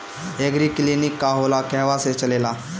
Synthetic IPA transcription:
eɡɾiklinikːaɦolakɛɦʋaset͡ʃəlela

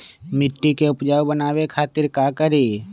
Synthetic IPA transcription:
mɪʈːikeʊpd͡ʒaːwbənaːwekʰaːt̪ɪɾkaːkəɾiː

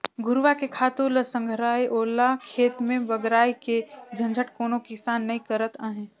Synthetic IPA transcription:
ɡʊɾʋakekʰaːt̪uləsə̃ŋɡʱɾaːiʔoːlakʰeːt̪mẽbɐɡɾaːiked͡ʒʱɐ̃nd͡ʒʱəʈkoːnokɪsaːnːɐĩkəɾət̪aːɦɛ̃ː

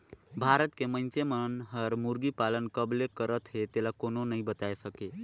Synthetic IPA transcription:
bʱaɾət̪kemə̃nsemənɦəɾmuɾɡipalənkəblekəɾət̪ɦet̪elakononəĩbət̪aesəke

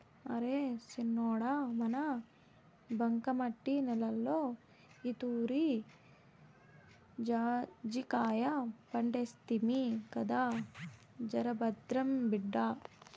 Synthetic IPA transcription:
ɐɾesinːɔːɽamɐnɐ | bɐŋkɐmɐʈːinɛlɐlːoː | it̪uːɾi | d͡ʒaːd͡ʒikaːjɐpɐɳɖest̪imikɐd̪aː | d͡ʒɐɾɐbɐd̪ɾɐmbiɖːaː

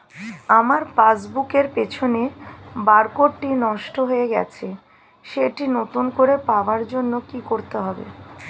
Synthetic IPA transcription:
amaɾpasbukeɾpet͡ɕʰonebaɾkoʈʈinɔʃʈoɦoeɡɛ̰t͡ɕʰe | ʃeʈinot̪unkoɾepaoaɾd͡ʑonːokikoɾt̪eɦɔbḛ

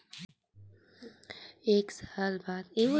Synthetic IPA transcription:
eːksaːlbaːd̪eʋo

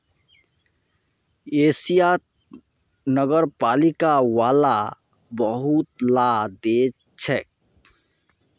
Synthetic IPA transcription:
eːsija | nəɡəɾpaːlikawaːla | bəɦut̪̚lad̪e | t͡ʃʰɛk̚

